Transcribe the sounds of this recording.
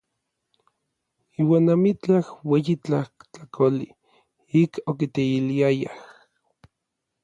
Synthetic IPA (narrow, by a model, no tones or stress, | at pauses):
iːwaːnamit͡ɬahweːjit͡ɬaht͡ɬakʰoli | ikok̬it̪eiliajah